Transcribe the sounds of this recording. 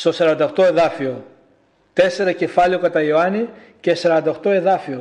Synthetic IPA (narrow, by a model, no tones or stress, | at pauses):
st̪o̞sɐɾɐnd̪ɐoxt̪o̞e̞ðɐfio̞ | t̪e̞se̞ɾɐce̞fɐlio̞kɐt̪ɐioɐni | ce̞sɐɾɐnd̪ɐoxt̪o̞e̞ðɐfio̞